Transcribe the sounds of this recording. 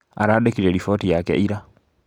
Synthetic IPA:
a̰ɾaɗekiɾeɾifotijakḛʔiɾa

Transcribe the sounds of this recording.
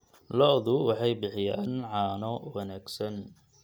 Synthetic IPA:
lɔʔðʊwɑħɑjbɪħɪja̰ːnʕɑːnɔwɐnaːɡsɐn

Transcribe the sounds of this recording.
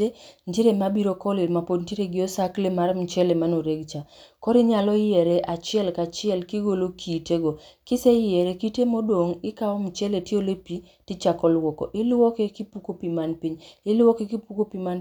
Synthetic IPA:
entiɾemabiɾokɔlɪlmapodntiɾeɡɪosaklemaɾmt͡ʃɛlemanoɾeɡt͡ʃakɔɾiɲalɔjɛɾeʔat͡ʃɪɛlkat͡ʃɪɛlkɪɡolokʰiteɡɔkɪsejɪɛɾekitemodwoŋɪkaɔmt͡ʃɛletiolepi | tɪt͡ʃakɔlwɔkɔ̰ʔɪlwɔkekipukopimanpiɲɪlwɔkekipukopiman

